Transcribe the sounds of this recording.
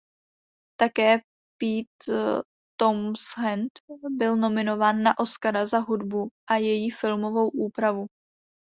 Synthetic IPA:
t̪akɛː | piːt̪ː | omsɦɛnt̪bɪlno̞mɪno̞vaːnːaʔo̞skaɾazaɦudbuʔajɛjifɪlmo̞vo̞wʔuːpɾavu

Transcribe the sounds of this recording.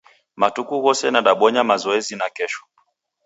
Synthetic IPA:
matukuɣɔsɛnaɗaɓɔɲamazɔɛzinakɛʃɔ̥

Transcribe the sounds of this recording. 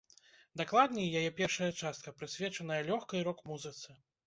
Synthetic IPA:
d̪aklˠad̪ʲnʲɛjajɛpʲɛrʂɐjɐt͡ʂast̪kɐpɾɨsʲvʲɛt͡ʂɐnɐjɐlʲɔxkɐjɾɔkmuzɨt̪sɨ

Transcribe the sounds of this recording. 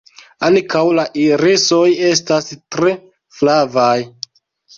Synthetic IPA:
ankʰawlaʔiɾeso̞je̞stastɾe̞ | flavaj

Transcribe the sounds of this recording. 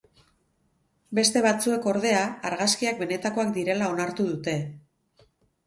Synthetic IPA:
be̞st̪e̞βat͡sue̞ko̞ɾðe̞aːɾɣaskiak̚be̞ne̞t̪ako̞ak̚d̪iɾe̞lao̞naɾt̪uð̞ut̪e̞

